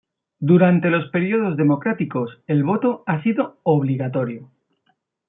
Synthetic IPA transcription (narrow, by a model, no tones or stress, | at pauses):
d̪uɾant̪e̞lo̞spe̞ɾjoð̞o̞zðe̞mo̞kɾat̪iko̞se̞lβo̞t̪o̞asiðo̞oβ̞liɣat̪o̞ɾjo